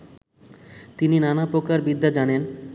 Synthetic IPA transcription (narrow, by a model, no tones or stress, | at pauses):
t̪ininanapɾokaɾbid̪ʱːad͡ʑanen